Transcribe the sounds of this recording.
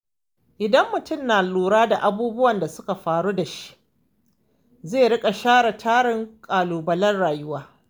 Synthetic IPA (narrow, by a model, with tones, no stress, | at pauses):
ʔɪ˨dɐ˦mːʊ˨tʊ˦˨mnaː˨luː˨ɽaː˦da˨ʔa˨buː˦bʊ˦wɐ˨nda˨sʊ˦ka˨ɸaː˨ɽuː˦da˨ʃi̥˦ | zeː˦˨ɽɪ˦kʼa˨ʃaː˦ɽɐ˨tʰaː˦ɽɪ˦ŋkʼaː˨luː˨bɐ˦lɐ˦nɽaː˨jʊ˦waː˦